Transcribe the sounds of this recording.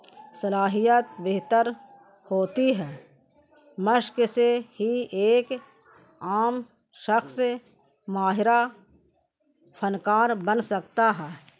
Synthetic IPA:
sɐlaːɦijət̪beɦt̪əɾ | hoːt̪iɦɛː | məʃksehieːk | aːm | ʃəxs | maːɦɪɾa | pʰənkaːɾbənsɐkt̪aɦɛː

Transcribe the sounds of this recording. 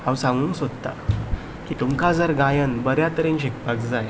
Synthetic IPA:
hãwsãŋɡuːŋsod̪t̪a̰ | kiːt̪umkad͡zəɾɡajənbəɾjat̪əɾenɕekpakd͡zaj

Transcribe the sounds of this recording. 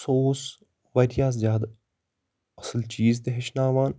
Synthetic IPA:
soːs | ʋɐɾjaːs̬zʲjaːd̪ | ɐslt͡ʃiːzt̪eɦeʃnaːʋaːn

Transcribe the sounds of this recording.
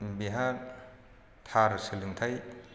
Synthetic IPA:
biɦa | t̪ʰaɾsɯlɯŋt̪ʰaj

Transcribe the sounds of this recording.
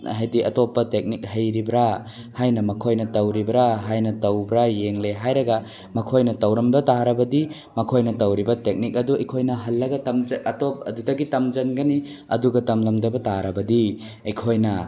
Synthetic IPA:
ɦajdiʔɐtɔpːɐtek̚nik̚ɦɐjɾibɾa | hajnɐmɐkʰojnɐtɐwɾibɾaɦajnɐtɐwbɾajeŋleɦajɾɐɡɐ | mɐkʰojnɐtɐwɾɐmdɐtaɾɐbɐdi | mɐkʰojnɐtɐwɾibɐtek̚nik̚ɐduɐjkʰojnɐɦɐlːɐɡɐtɐmd͡ʒɐtɔp̚ɐ̰dudɐɡitɐmd͡ʒɐnɡɐni | ɐ̰duɡɐtɐmlɐmdɐbɐtaɾɐbɐdi | ɐjkʰojnɐ

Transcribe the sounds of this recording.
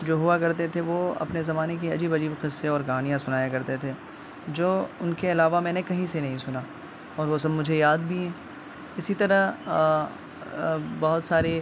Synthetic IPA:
d͡ʒoːɦʊakɐɾt̪et̪ʰeʋoɐ̰pnezɐmaːnek̬iɐd͡ʒiːbɐd͡ʒiːbqɪsːeɔːɾɡɐɦaːnijãsʊnaːjakɐɾt̪et̪ʰeː | d͡ʒoːʊnkeɐlaːʋamɛ̃ːnekɐɦĩsenɐɦĩsʊna | ɔːɾʋos̬ɐbmʊd͡ʒʱejaːd̪bʱiɦɛ̃ː | ɪsit̪ɐɾə | bɐɦʊt̪saːɾe

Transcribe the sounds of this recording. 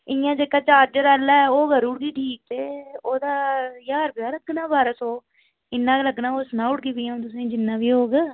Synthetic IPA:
ɪjãːd͡ʒeːkaːt͡ʃaːɾd͡ʒəɾaːlːɛːoːɡəɾʊɽɡiːʈʰiːk̚t̪eːoːd̪aːjaːɾbɪjaːləɡnãːbaːɾəsoː | ɪnːãːɡləɡnãːosnãːʊɽɡiːbiːãt̪̬ʊsẽːd͡ʒɪnːãːʋiːɦoːɡ

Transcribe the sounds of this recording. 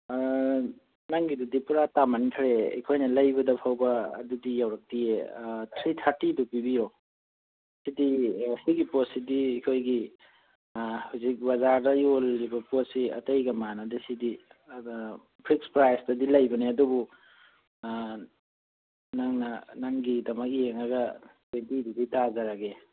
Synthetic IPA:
naŋɡidudipuɾatamanikʰaɾeḭkʰojnɐlɐjbɐdɐpʰawbɐ̰ːdudijawɾɐk̚dietʰɾitʰaɾtidupibijo | sidihiɡipotsidiːkʰojɡi | hawzik̚bazaɾdɐjolːibɐpot̚siɐ̰tɐjɡɐmanɐdisidi | pʰɾikspɾajsdɐdilajbɐneɐdubu | naŋnɐnaŋɡidɐmɐk̚ijeŋɐɡɐtwentiduditazaɾaɡe

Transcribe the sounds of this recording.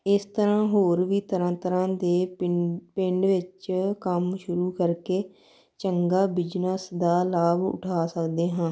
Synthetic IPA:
ɪst̪əɾãːɦoːɾʋiːt̪əɾə̃ːt̪əɾãːd̪eː | pɪ̃ɳɖʋɪt͡ʃkəmʃʊɾuːkəɾkeː | t͡ʃəŋɡaːbɪd͡ʒnəsd̪aːlaːbʊ̰ʈʰaːsəkd̪eːɦãː

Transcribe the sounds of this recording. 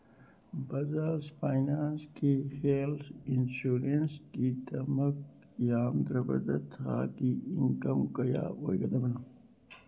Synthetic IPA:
bɐzasfaːjnaːnskixelsinsuːɾenskit̪ɐmɐk̚ | jaːmd̪ɾɐbɐ̰d̪ɐt̪a̰ːkiiŋkɐmkɐja̰ːojɡɐd̪ɐmɐna

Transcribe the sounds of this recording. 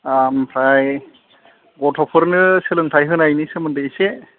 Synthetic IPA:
ampʰɾaj | ɡɔtʰɔpʰɯɾnɯselɯŋtʰajɦɯnajnisemɯndeisɛ

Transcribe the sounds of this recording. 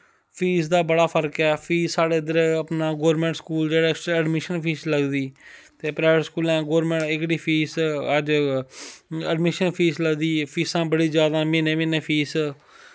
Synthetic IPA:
pʰiːs̬d̪aːbəɽaːpʰəɾkɛːpʰiːssaːɽeːd̪əɾeəpnaːɡoːɾmẽːɳʈskuːld͡ʒeːɽaːɪksʈɾaːəɖmɪʃənpʰiːsləɡd̪iːt̪eːpɾaːɪʋəʈskuːlɛ̃ːɡoːɾmẽːɳʈɪkɽiːpʰiːsəd͡ʒ | əɖmɪʃənpʰiːsləɡd̪iːpʰiːsãːbəɽiːzjaːd̪ãːmẽnẽːmɪneːpʰiːs

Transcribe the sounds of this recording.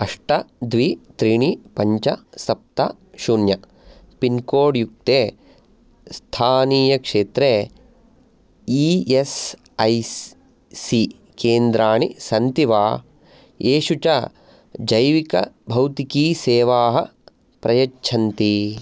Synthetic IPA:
ɐʂʈɐd̪ʋit̪ɾiɳipɐɲt͡ʃɐsɐp̚t̪ɐ | ʃunjɐ | pinkoːɽjuk̚t̪eː | st̪ʰaːniːjɐkʂeːt̪ɾeː | ies | ɐj | si | keːnd̪ɾaːɳisɐnt̪iʋaː | eːʃut͡ʃɐ | d͡ʒɐjʋikɐ̰bʱɐwt̪ikiːseːʋaːɦɐ | pɾɐjɐt͡ʃt͡ʃʰɐnt̪i

